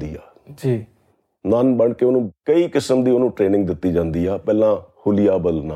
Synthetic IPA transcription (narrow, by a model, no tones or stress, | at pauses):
d̪iːaː | d͡ʒ | nənbəɳkeːoːnũːkəiːkɪsəmd̪iːoːnũːʈɾeːnɪ̃ŋɡ̚d̪ɪt̪ːiːd͡ʒãːnd̪iːɛːpɛːlãːhʊlɪjaːbəlnaː